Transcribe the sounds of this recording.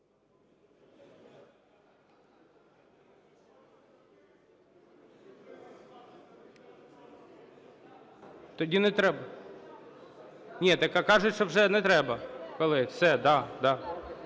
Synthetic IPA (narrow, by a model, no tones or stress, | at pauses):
t̪ɔdʲinɛt̪ɾɛbɐ | nʲɛt̪ɐkɑkɑʐʊtʲʃt͡ʃɔwʐɛnɛt̪ɾɛbɐkɔlˠɪfsɛd̪ɑd̪ɑ